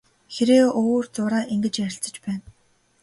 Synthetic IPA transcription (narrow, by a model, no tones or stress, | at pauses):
xeɾeːoːrt͡sʊɾaːʔiŋɡɘ̆t͡ɕjæɾʲɪ̆ɬt͡sə̆t͡ɕpæːn